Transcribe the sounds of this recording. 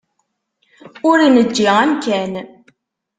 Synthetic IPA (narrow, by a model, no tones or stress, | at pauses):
ʊɾinəd͡ʒːiʁæmkæn